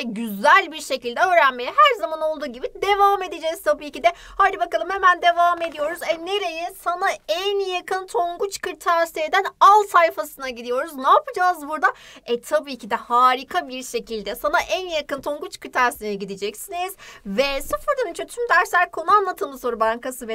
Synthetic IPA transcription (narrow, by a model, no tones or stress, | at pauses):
ɛɟyzælʲbiɾʃe̞cilʲd̪ɛøːɾænme̞jɛɦæɾzamano̞lˠd̪uːɟibid̪e̞vaːme̞d̪ed͡ʒɛz̥t̪ʰabiːcid̪ɛhaːd̪ibakalˠɯmhemænd̪e̞vaːme̞d̪ijo̞ɾuzɛne̞ɾe̞jɛsanaænjakʰɯnt̪ʰo̞ŋɡut͡ʃkɯɾt̪ʰæɾsed̪ænalˠsajfasɯnaɟid̪ijo̞ɾuznaːpɯd͡ʒaːzbuɾd̪aɛt̪ʰabiːcʰid̪ɛhaːɾikʰabiɾʃe̞cilʲd̪ɛsanaʔænjakɯnt̪ʰo̞ŋɡut͡ʃkɯɾt̪ʰaɾsinɛɟid̪id͡ʒɛcsiniz̥vɛsɯfɯɾd̪anint͡ʃʰɛt̪ʰymd̪æɾslʲæɾkʰo̞nuanlˠat̪ʰɯmɯzso̞ɾubaŋkasɯvɛ